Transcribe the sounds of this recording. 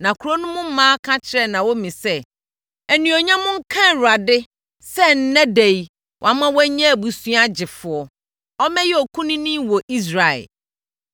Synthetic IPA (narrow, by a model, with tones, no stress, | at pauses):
nã˨kʰu˨ɾo˦nʊ̃˦mʊ̃˦m̩˦mãː˦kʰã˦t͡ɕʰɪ˨ɾɛ˦nã˨wo˦mĩ˨sɛ˦ | æ˨nũ˨ɔ˨ɲã˦mʊ̃˦ŋ̩˦kʰã˦˨ɾʊ˨a˨dɪ˦ | sɛ˦n̩˨˦nɛ̃˦de˨ji˨ | wʔa˨˦mã˦wɛ˦ɲɛ̃˦˨bu˨su˦a˦d͡ʑɪ˨fʊ˨ɔ˨ | ɔ˦mɛ̃˦jɛ˦ɔ˨kʰũ˦nĩ˦nĩ˦wɔ˨ʔi˦s̬ɾa˨ɛ̰˨l